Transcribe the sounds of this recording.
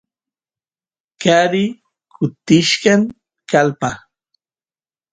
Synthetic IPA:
kaɾi | kʰʊt̪ɪʃkaŋ | kalpa

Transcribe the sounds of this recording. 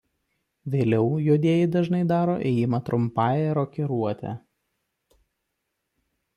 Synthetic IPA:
ʋʲeːlʲɛʊjoːd̪ʲeːjɪd̪ɐʒnɐɪd̪ɑːɾoːʔɛːjɪmɐt̪ɾʊmpɑːjɛɾoːkʲɛɾuɔt̪ʲɛ̰

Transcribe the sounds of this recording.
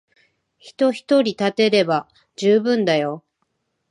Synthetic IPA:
çi̥t̪o̞çi̥t̪o̞ɾʲit̪at̪e̞ɾe̞ba | d͡ʑɨːbɯ̟̃nd̪ajo̞

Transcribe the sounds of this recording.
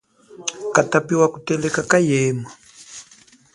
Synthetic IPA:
katapiwakutɛlɛkakajɛːma

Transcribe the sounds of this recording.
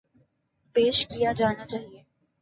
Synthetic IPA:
peːʃkijad͡ʒaːnat͡ʃaːɦieː

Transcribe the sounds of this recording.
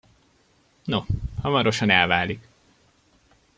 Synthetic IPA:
nohɒmɒɾo̞ʃɒnɛlvaːlik

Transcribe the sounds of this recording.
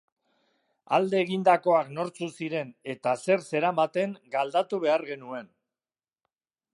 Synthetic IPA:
a̰ld̪e̞ːɣind̪ako̞akno̞ɾt͡susiɾe̞ne̞t̪ase̞ɾse̞ɾamat̪e̞ŋɡald̪at̪uβ̞e̞aɾɣe̞nue̞n

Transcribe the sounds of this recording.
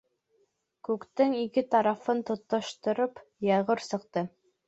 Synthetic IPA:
kʉkt̪ɘŋikɘt̪ɑɾɑfɤnt̪ŏt̪ːŏʃt̪ɤ̆ɾɤpjɑʁɤɾsɤ̆qt̪ɤ

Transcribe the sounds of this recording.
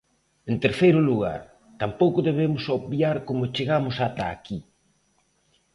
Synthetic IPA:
ent̪eɾθejɾʊluɣ̞a̰ɾ | t̪ampowkʊðeβemʊsoβbjaɾkomʊt͡ʃeɣamʊsat̪a̰ːki

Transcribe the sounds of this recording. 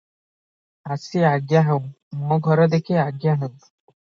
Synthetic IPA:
asiaɡjaɦew̃ | mɔɡʱɔɾɔd̪ekʰeaɡjaɦet̪

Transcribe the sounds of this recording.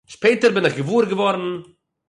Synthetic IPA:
ʃpeɪtəɾbɪnɪχɡəvuːɾɡəvɔɾn̩

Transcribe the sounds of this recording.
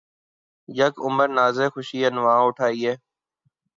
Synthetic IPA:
jəkʊməɾnaːzeːxʊʃiːɦənʋãːʊʈʰaːiːɦeː

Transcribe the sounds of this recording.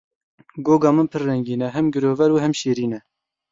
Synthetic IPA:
ɡoːɡɑːmɨnpʰɨrːɛŋɡiːnɛɦɛmɡɨɾoːvɛɾuːɦɛmʃeːɾiːnɛ

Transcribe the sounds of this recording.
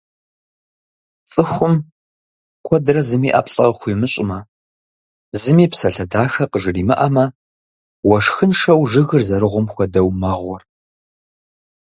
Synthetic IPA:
t͡sʼɨxʷʊm | kʷʰɔdrɐzɨmiːʔɐ̰ːpʼɬʼɐχʷiːmɨɕʼɪmɐ | zɨmiːpsɐɬɐdaːxɐqəʒɨriːmɨ̰ʔɐmɐ | wɐʂxɨnʂɐwʒɨɣɨrzɐɾɨʁʷʊmxʷɔdɐwmɐʁʷɔr

